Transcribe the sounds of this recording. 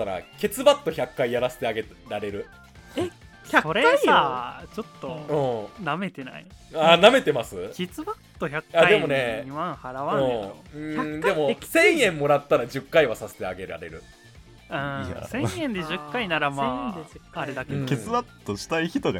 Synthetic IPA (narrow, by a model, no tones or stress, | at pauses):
aɾa̰ke̞t͡sɨbat̪ːo̞çakːaijaɾase̥t̪eaɡeɾaɾe̞ɾɯ̟ | e | çaso̞ɾsaːt͡ɕo̞t̪ːo̞ɯ̃ːname̞t̪e̞na̰ianame̞t̪e̞masɨkʲet͡sɨbat̪ːo̞çakːaaid̪e̞mo̞neɲimãɰ̃haɾaβãɯ̃ːeɯ̃çad̪e̞mo̞sẽ̞ɰ̃jẽ̞mːo̞ɾat̪ːaɾad͡ʑɨkːaiβasase̥t̪eaɡe̞ɾa̰ɾe̞̰ɾɯ̟ | ɯ̰̃sẽ̞ɰ̃jẽnd̪e̞ʑɨkːainaɾama | aɾed̪akeket͡sɨbat̪ːoɕi̥t̪aiçi̥t̪oɡa